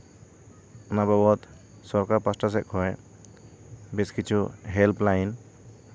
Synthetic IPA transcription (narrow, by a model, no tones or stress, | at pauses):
nababɔt̪ | sɔɾkaɾpasʈas̬ɛʔ̚kʰɔj | biskit͡ʃʰuɦɛlplajn